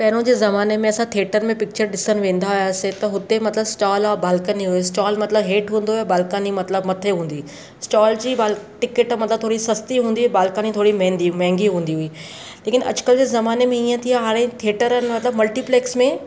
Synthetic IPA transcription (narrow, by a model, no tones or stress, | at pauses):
pɐɦɪɾõd͡ʑeːzɐmaːnemẽɐsãt̪ʰeːʈəɾ̆mẽpɪk̚t͡ɕəɾɖɪsənɪ̆ʋẽːn̆d̪ajaːset̪ɐɦʊt̪emɐt̪ləbsʈaːlabaːlkəniɦʊisʈaːlmɐt̪ləbɦeːʈɦũːn̆d̪ojabaːlkaːnimɐt̪ləbmɐt̪ʰeɦũːn̆d̪iː | sʈaːld͡ʑiːbaːlʈɪkɪʈmɐt̪ləb̚t̪ʰoːɽisɐst̪iɦũːnd̪iɦbaːlkaːnit̪ʰoːɽimɛ̃ɦːnd̪imɛ̃ɦɪ̃ŋɡiɦũːn̆d̪iɦʊiː | leːkɪnʔɐ̰d͡ʑʊ̥kəld͡ʑeːzɐmaːnemẽiːə̃t̪ʰijaɦaːɾ̃ẽt̪ʰeːʈəɾənɪ̆mɐt̪ləbmɐlʈipleːksmẽ